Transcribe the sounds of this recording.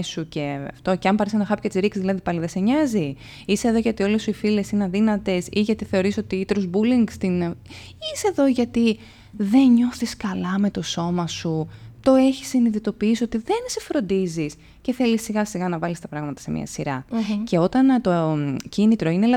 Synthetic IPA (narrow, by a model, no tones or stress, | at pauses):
suce̞ɐft̪o̞ceɐmpɐɾisenɐxɐpçɐt̪izɾiksizðilɐðipɐliðese̞ɲɐzi | ise̞ðo̞ʝɐt̪io̞lesuifile̞sineɐnðinɐt̪e̞siʝɐt̪iθe̞o̞ɾiso̞t̪iit̪ɾozbuliŋɡst̪in | iseðo̞ʝɐt̪i | ðe̞nɲo̞θiskɐlɐme̞t̪o̞so̞mɐsut̪o̞e̞çi̥sːiniðit̪o̞piisio̞t̪iðe̞nsefɾo̞nd̪izis | ce̞θe̞lisiɣɐsiɣɐnɐvɐlist̪ɐpɾɐɣmɐt̪ɐ̥se̞mḭɐ̰siɾɐce̞o̞t̪ɐnt̪o̞cinit̪ɾo̞inelɐ